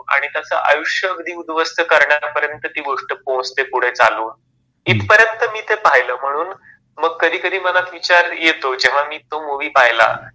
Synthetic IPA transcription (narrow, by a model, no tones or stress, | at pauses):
a̰ɽ̃it̪jat͡səʔa̰juʂjəəɡd̪ʱiːud̪ʋəst̪əkəɾɳjaɾapəɾjənt̪ət̪iːɡoʂʈəpõst̪epuɽ̤et͡saluːn | it̪pəɾjənt̪əmiːt̪epaɦjləːm̤əɽ̃uːn | məɡ̚kəd̪ʱiːkəd̪iːməlat̪ʋit͡ɕaɾjet̪od͡ʑeʋ̤amiːt̪omuʋiːpaɦjla̰